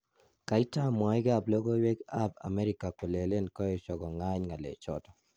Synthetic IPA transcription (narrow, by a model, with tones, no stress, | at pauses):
ka˨ɪ˦ta˦mwa˨ɪ˦ɡa˦˨blo˦ɡo˦we˦ɡa˦ba̰˨mɛ˦ɾi˨ka˨ko˨le˨le˦nkɔ˦ɔ˦t͡ʃɔ˨ɡɔ˨ŋa˦ɲŋa˨lḛ˨t͡ʃɔ̰˦tɔ̥˨